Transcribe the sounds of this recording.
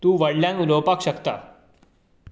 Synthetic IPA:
t̪uːʋəɽljãnulopakɕəkt̪a̰

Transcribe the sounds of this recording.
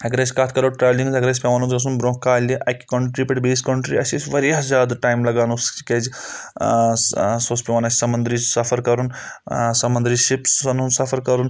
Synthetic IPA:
ɐɡɾɐsʲkat̪ʰkɐɾoːʈɾaːʋlĩŋɡzɐɡɾɐs̬ʲpʲeʋaːnũzɐs̬unbɾõːkkːaːlʲiʔɐkʲkɐɳʈɾipʲeʈbiːskɐɳʈɾiɐsʲisʋɐɾjaːzʲjaːd̪ʈaːjmlɐɡaːnusked͡ʒ | soːspʲeʋaːnɐsʲsɐmɐnd̪ɾiːt͡ʃsɐfʰɐɾkɐɾun | sɐmɐnd̪ɾiʃipsɐnunsɐfʰɐɾkɐɾun

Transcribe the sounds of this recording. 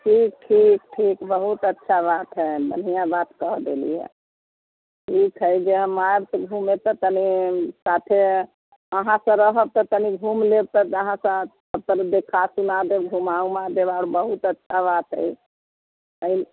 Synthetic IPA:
ʈʰik̚ʈʰikʈʰikbəɦut̪ətːʃʰabat̪ɦɛbə̰nijãbat̪kəɦd̪elḭɛ̰ | ʈʰikɦəjd͡ʒeɦəmabsəɡʱumet̪ət̪ənisat̪ʰe | əɦãsə̃ɾəɦəb̚t̪ɔt̪əniɡʱumleb̚t̪ət̪əɦãsə̃ | əb̚t̪əɾd̪ekʰasunad̪eɡʱumaũmad̪ebaɽbəɦut̪ətːʃʰabat̪ɦə̰j | əi

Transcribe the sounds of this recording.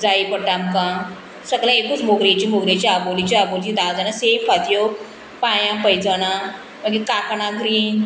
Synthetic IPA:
d͡zaipəʈamkã | səɡlãekuːt͡smoɡɾet͡ɕimoɡɾet͡ɕiabolit͡ɕiabolt͡ɕid̪aʋd͡zanasefad̪joɡ | pajãpəjd͡zəna | məɡekakɳaɡɾiːn

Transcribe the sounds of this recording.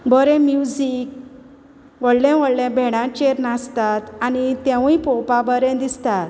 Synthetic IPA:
bəɾẽmjud͡zik | ʋəɽlɛ̃ʋəɽlɛ̃bʱɛɽ̃ãt͡ɕeɾnast̪at̪anit̪ẽʋipɔpabəɾẽd̪ist̪at̪

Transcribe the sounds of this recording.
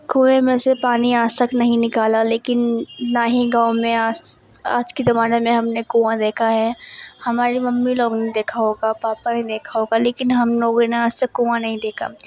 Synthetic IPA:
kuːẽmẽːsepaːniaːsəknɐɦĩnɪkaːlaleːkɪnːaːɦĩɡãːʊmẽaːs | a̰ːd͡ʒkezɐmaːnemẽɦɐmnekũːãd̪eːkʰaɦɛːhɐmaːɾimɐmːiloːɡned̪eːkʰaɦoːɡapaːpaned̪eːkʰaɦoːɡaleːkɪnɦɐmloːɡneaːst̪əkːuːãnɐɦĩd̪eːkʰa̰

